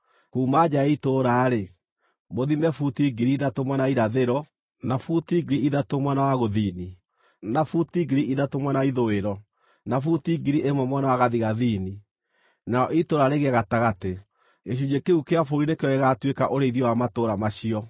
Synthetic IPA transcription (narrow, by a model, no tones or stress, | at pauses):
kuːmad͡ʒaitoɾaɾe | moðimɛfutiːɡiɾiiðatomwanaiɾaðeɾɔ | nafutiɡeɾiʔiðatomwanawaɣoðini | nafutiɡiɾiʔiðatomwanaiðoeɾɔ | nafutiːɡiɾiʔemwɛmwanawaɣaðiɣaðini | naɔʔitoɾaɾeɣeaɣataɣate | eɕ̬ud͡ʒekeukeafoɾinekeɔɛɣatwekaʔoɾeiðjɔwamatoːɾamaɕiɔ